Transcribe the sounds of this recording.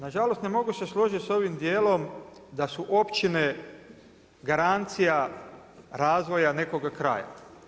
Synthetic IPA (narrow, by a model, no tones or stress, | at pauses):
naʒalo̞st̪ne̞mo̞ɡuse̞slˠo̞ʒit̪ʲso̞ʋimd̪jeːlo̞md̪asuʔo̞pt͡ʃine̞ | ɡaɾant̪sija | ɾaːzʋo̞jane̞ko̞ɡakɾa̰ːja̰